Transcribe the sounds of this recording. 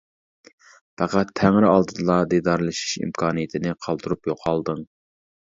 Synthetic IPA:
pæqæt̪ʰːæŋɾɪɑlˠd̪ɨd̪ɨlˠɑd̪ed̪ɑɾlˠɨʃi̥ʃḭmkʰɑːnɨjɪt̪ʰɪnɪqʰɑlˠd̪uɾupjoqʰɑlˠd̪ɨŋ

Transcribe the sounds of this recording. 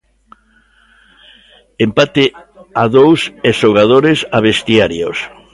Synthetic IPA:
empat̪eaðowseʃoɣað̞oɾesaβest̪iaɾjos

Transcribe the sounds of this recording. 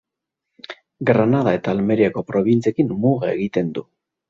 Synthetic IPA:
ɡɾanað̞ae̞t̪aːlme̞ɾiako̞pɾo̞β̞int͡siekinmuɣeeɣit̪e̞nd̪u

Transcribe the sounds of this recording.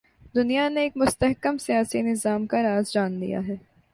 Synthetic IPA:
d̪ʊnijaneːkmʊst̪əɦkəmsijaːsinɪzaːmkaɾaːzd͡ʒaːnd̪ḭja̰ɦɛː

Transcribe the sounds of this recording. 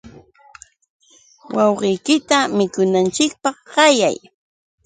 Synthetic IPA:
wʔɑwɢɪjkɪt̪amɪkʊnant͡ʃɪk̚pɑχɢɑja̰j

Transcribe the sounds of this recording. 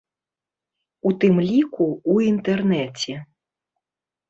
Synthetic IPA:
ut̪ɨmlʲikuuint̪ɛrnɛt͡sʲɛ

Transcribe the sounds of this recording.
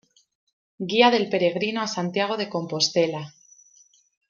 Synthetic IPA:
ɡiaðe̞lpe̞ɾe̞ɣ̞ɾinoasant̪jaɣ̞o̞ðe̞ko̞mpo̞st̪e̞la

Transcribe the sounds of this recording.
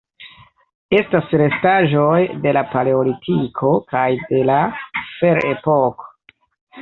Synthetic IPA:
e̞stasɾe̞staʒo̞jde̞lapaleolitʰikʰo̞kajde̞lafe̞ɾepoko̥

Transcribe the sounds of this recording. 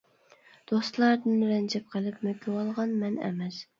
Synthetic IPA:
d̪̥ost̪lˠɑɾd̪ɨnɾɛnd͡ʒʰɛp̚qʰəlˠɨpmøkʲʰːɪwɑlˠʁɑnmɛnɛ̰mɛz

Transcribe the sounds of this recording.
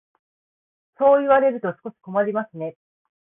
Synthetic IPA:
so̞ːiβaɾe̞ɾɯ̟t̪o̞sɨ̥ko̞ɕi̥ko̞maɾʲimasɨne̞

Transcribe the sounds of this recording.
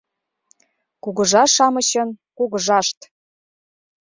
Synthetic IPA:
kuɣə̆ʒɑʃɑmɤ̆ɕɤ̆nkuɣə̆ʒɑʃt̪

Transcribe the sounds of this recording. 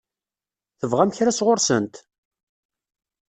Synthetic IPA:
θəvʁæmçɾæsʁʊɾsə̰nt̪

